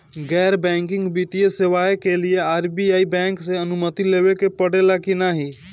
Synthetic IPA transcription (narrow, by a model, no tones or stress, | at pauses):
ɡɛːɾbɛ̃ŋkɪ̃ŋɡbit̪ijeseʋaekelijeaːɾbiaːibɛ̃ŋkseənumət̪ileʋekepəɽelakɪnaɦi